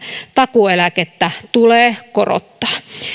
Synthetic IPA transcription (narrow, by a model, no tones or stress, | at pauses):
t̪ɑkuelæket̪ːæt̪uleːkoro̰t̪ːɑ̥ː